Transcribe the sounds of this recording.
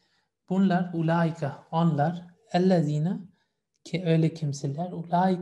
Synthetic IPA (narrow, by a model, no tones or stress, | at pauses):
b̥unlˠaɾulʲaːikʰaonlˠaɾ | ælːæziːna | cʰiøjlʲɛcʰimsilʲæɾulʲaːi